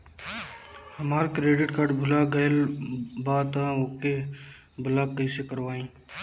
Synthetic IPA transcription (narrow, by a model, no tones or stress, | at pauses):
həmaːɾkɾeːɖɪʈkaɖbʱʊlaːɡəjlbaːt̪ãoːke | bʱʊlakəisekəɾʋaːĩː